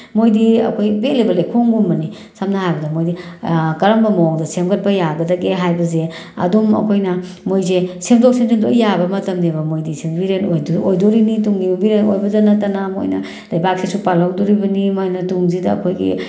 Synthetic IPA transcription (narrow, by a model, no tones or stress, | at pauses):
mojdiɐ̰kʰojbelebɐlejkʰoŋɡumbɐni | samnaɦajbɐdɐmojdikɐɾɐmbɐmowŋdɐsemɡɐt̚pɐjaɡɐdɐɡeɦajbɐze | ɐ̰dumɐ̰kʰojnɐ | mojzesemdok̚semdendojabɐmɐtɐmdibɐmojdisebiɾentojdojdoɾinituŋdimɐbiɾenojbɐzanɐtɐnamo̰jnɐ̰ | lajbak̚sesupalawdoɾibɐnimojnɐtuŋzidɐ̰ːkʰojɡḭ